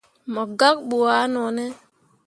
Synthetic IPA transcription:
mɔ˨ɡa˦k̚ɓu˨a˨˦nɔ˨ne˦

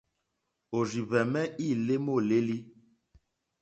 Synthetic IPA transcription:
o˨ri˨βɛ˨mɛ˦ʔiː˦˨le˦mo˦˨le˦li˦

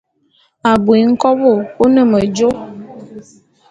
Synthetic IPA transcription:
a˨bwi˨˦ŋ̩˦kɔ˦bo˦˨o˦nə˨mə˨d͡ʒo˦

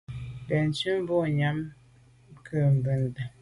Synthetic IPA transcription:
bɛ˨n˨t͡ʃʉ˦m˦bo˦˨ɲa˦m | kʰə˨m˨bə˨n˨də˨

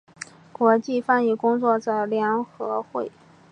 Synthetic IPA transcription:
kwɔ˧˥t͡ɕi˥˧fa˥˧ni˨˩kʊ˥ŋt͡swɔ˥˩ʈ͡ʂə˧˩ljɑ˧˥ŋxɤ˧˥xwe˥˩ɪ

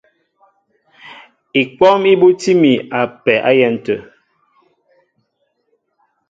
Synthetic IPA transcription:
i˨k͡pɔ˦mi˦bu˦ti˦mi˨a˨pɛ˨ʔa̰˦jɛ˦˨n̩˨tə˨

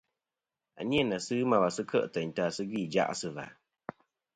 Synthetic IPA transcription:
a̰˨ɲi˦ɛ˦˨na˨sɨ˦ma˨wa˨sɨ˦kʰə˦ʔtə˨n˨ta˨sɨ˦ɡi˦˨d͡ʒa̰˦ʔsɨ˨va̰˨

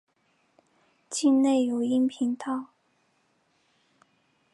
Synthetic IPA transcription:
t͡ɕi˥˧nne˥˩ɪjo˨˩ʊi˥ŋpʰi˧˥nt̪ʰɑ˥˩ʊ

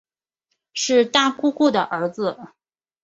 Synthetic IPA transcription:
ʂɻ̩˥˧t̪a˥˩ku˥˧ku˥˩d̪ə˩ʔə˞˧˥d͡zɹ̩˧

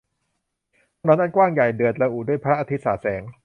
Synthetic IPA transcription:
nɔː˦˥nʔa˥˩nkwaː˥˩ŋja˨˩jdɯ˨˩ət̪ɾa˧ʔuː˨˩du˥˩əjpʰaː˧ɾa˦˥ʔa˧t̪ʰi˦˥t̪̚saː˩˦˩sɛː˩˦ŋ

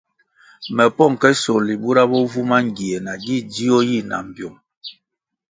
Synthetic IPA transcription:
mɛ˨pɔ˦˨ŋ˨kɛ˦so˨li˨bu˦ɾa˦bɔ˦vu˦ma˦ŋ˨ɡi˨ɛ˨na˨ɡi˦˨di˦ɔ˦ji˦na̰˨m̩˨bjo˨ŋ

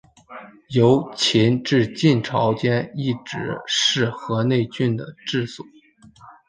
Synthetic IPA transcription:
jo˧˥ʊt͡ɕʰi˧˥nʈ͡ʂɻ̩˥˧t͡ɕi˥˩nʈ͡ʂʰɑ˧˥ʊt͡ɕjɛ˥ni˥˩ʈ͡ʂɻ̩˧˥ʂɻ̩˥˩xɤ˧˥ne˥˧ɪt͡ɕy˥˩nd̪ə˩ʈ͡ʂɻ̩˥˩swɔ˨˩˦

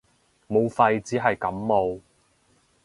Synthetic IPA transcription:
mo˨˧wfɐ˧jt͡siː˨˥ɦɐ˨jkɐ˨˥mmo˨˧w

